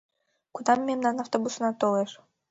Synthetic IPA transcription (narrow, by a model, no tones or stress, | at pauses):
kud̪amːʲemnanaft̪obusnat̪olˠɛʂ